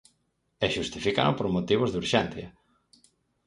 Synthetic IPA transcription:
ɛʃust̪ifika̰nopoɾmot̪iβ̞ozðuɾʃɛn̟θjɐ

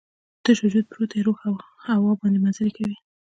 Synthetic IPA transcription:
t̪aʃad͡ʒud̪̚pɾot̪ʰaɾoxawhawɑbɑnd̪emanzalekawi

